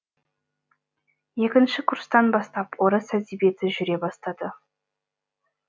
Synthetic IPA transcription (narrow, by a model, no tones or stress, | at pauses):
je̞kʲɪnʃɪkʰʊrst̪ɑnbɑst̪ɑpwoɾəsæzibe̞t̪ʰɪʒʏɾe̞bɑst̪ɑd̪ə